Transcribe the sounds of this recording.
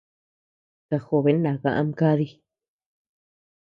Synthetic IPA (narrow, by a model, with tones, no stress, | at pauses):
ka˧xo˧˨βe˨˦nã˨ɣã˧ʔã˧mka˦ði˧˦